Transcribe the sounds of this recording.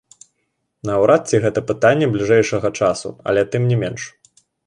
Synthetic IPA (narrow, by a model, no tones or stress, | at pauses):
nɐːwɾʔat̪̚t͡sʲiɣɛt̪ɐpɨt̪anʲːɛblʲiʐɛjʂɐɣɐt͡ʂasṵɐ̰lʲɛt̪ɨmnʲɛmʲɛnʂ